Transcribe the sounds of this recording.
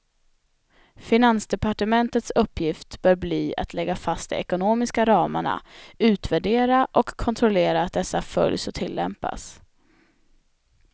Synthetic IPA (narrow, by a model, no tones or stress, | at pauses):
fɪnansd̪ɛpaʈəmɛnt̪ət̪sɵpːjɪft̪b̥œːɾbliːa̰t̪ʰlɛɡːafast̪d̪ɛ̰ɛkʊnoːmɪskaɾɑːma̰ɳa̰ʉ̟ːt̪væɖeːɾaʔɔkʰːɔnt̪ʰɾɔleːɾaːt̪̚d̪ɛsːafœ̰ljsɔt̪ʰɪlːɛ̰mpa̰s